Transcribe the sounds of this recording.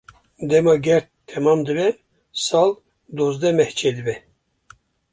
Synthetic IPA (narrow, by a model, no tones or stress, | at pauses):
d̪ɛmɑɡʲɛɾt̪ʰːɛmɑmd̪ɨbɛ | sɑl | d̪ozd̪ɛmɛht͡ʃʰɛd̪ɨbɛ